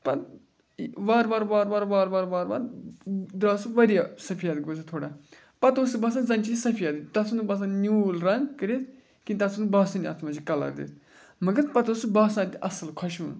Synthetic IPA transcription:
pɐɾ | ʋaːɾʋaːɾʋaːɾʋaːɾʋaːɾʋaːɾʋaːɾʋa̰ːɾd̪ɾaːsɨʋɐɾijasɐpʰijaːd̪kbɐs̬ʰãt̪ʰoːɽaː | pɐt̪oːsɨbɐs̬ãnzɐnt͡ʃisɐpʰijaːd̪it̪ɐsʰunubaːs̬ãːnʲuːlɾɐ̃ŋɡkəɾes | kint̪ɐsʰunbaːsɐniɐ̰t̪ʰmɐd͡ʒikɐla̰ɾd̪ḭːt̪ʰ | mɐɡəɾpɐt̪oːsɨbaːsãːt̪iɐsəlkʰɐʃṵn

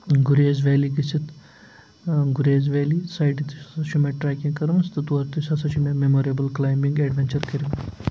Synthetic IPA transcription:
ɡuɾeːzʋɛːlikisit̪ʰ | ɡuɾeːzʋɛːlisaːjʈit̪ʰiɐʃʰumeʈɾaːkĩkɐɾmɐst̪ɐt̪uɐɾt̪isɐsɐʃumememoːɾiɐbɐlklaːjmĩŋɡeɖʋent͡ʃɐɾkɐɾim

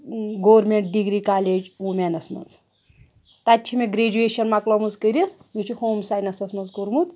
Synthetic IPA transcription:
ɡowɐɾmeɳʈ̚ɖiɡɾikaːleːd͡ʒumʲenɐsmɐ̰nz | t̪atʲːt͡ʃʰimeɡɾeːd͡ʒueːʃɐnmaklomuzkəɾʲit̪ʰ | mit͡ʃʰihoːmsajnɐsɐsmɐnzkoɾmut̪

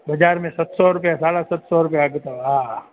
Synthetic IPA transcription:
bɐd͡ʒaːɾmẽsɐt̪sɔɾʊpjasaːɽasɐt̪sɔɾʊpjaɡet̪aa

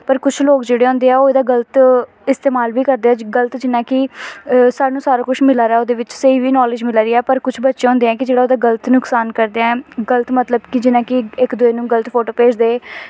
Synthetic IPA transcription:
pəɾkʊt͡ʃʰloːkd͡ʒeːɽeːɦõːnd̪eːɛːoːed̪aːɡələt̪ | ɪst̪eːmaːlʋiːkəɾd̪eɛːɡəlt̪d͡ʒɪnãːkɪ | saːnũːsaːɾaːkʊt͡ʃʰmɪlaːɾɛːoːd̪eːʋɪt͡ʃseiːʋiːnɔːlɪd͡ʒmɪlaːɾiːɛːpəɾkʊt͡ʃʰbətːʃẽãːɦʊ̃nd̪eːɛ̃ːkɪd͡ʒeːɽaːoːd̪aːɡələt̪nʊksaːnkəɾd̪ejaːɛːɡəlt̪mət̪ləbkɪd͡ʒɪnãːkɪɪkd̪ʊeːnũːɡələt̪pʰoːʈoːpeːd͡ʒd̪eː

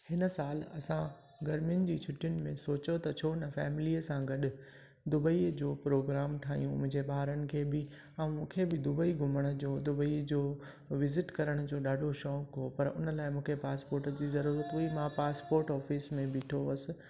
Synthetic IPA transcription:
hɪnə̆saːlɐsã | ɡɐɾmjʊnɪ̆d͡ʑiːt͡ɕʰʊʈʰijʊnɪ̆mẽsoːt͡ɕot̪ɐt͡ɕʰoːnɐfɛːmɪliːəsãɡɐɗʊ̆ | d̪ʊbəid͡ʑoːpɾoːɡɾaːmʈʰaːɦḭjũmʊ̃ɦɪ̃ɲd͡ʑebaːɾənɪ̆kʰeːbɪ | ɐ̃mũːkʰebɪd̪ʊbəiɡʱʊməɽ̃ʊ̆d͡ʑoːd̪ʊbəid͡ʑoː | ʋɪzɪʈkɐɾəɽ̃ʊd͡ʑoːɗaːɖʱoʃɔːkɦopɐɾʊnə̆laːɪmũːkʰepaːspoːɾʈd͡ʑiːzɐɾuːɾət̪ʊimãpaːspoːɾʈɔːfismẽbɪʈʰoʋɐsɪ̆

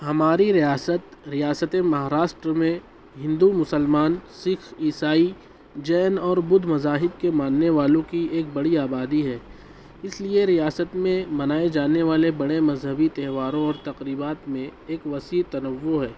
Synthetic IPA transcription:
ɦɐmaːɾiɾijaːsət̪ɾijaːsət̪emɐɦaːɾaːʃʈɾəmẽ | ɦɪ̃nd̪umʊsəlmaːnsɪkiːsaːi | d͡ʒɛːnɔːɾbʊd̪ʱmɐzaːɦɪb̚kemaːnːeʋaːlõkieːk̚bɐɽiaːbaːd̪iɦɛː | ɪslieɾijaːsət̪mẽmɐnaːed͡ʒaːneʋaːlebɐɽemɐzɦəbit̪ɛɦʋaːɾõɔːɾt̪ɐqɾiːbaːt̪mẽeːkʋɐsiːɾt̪ɐnəʋːoɦɛː

